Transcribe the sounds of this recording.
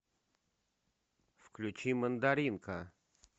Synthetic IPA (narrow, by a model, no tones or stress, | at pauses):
fklʲʉt͡ɕimənd̪ɐɾʲinkə